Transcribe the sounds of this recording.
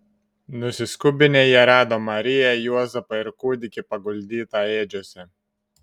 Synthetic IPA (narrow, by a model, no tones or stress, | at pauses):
nʊsʲɪskʊbʲɪnʲeːjɛɾɑːd̪oːmɐɾʲɪjɛjuɔzʲɛpɐɪɾkuːd̪ʲɪkʲɪpɐɡʊlʲd̪ʲiːt̪ɑeːd͡ʒʲoɔsʲɛ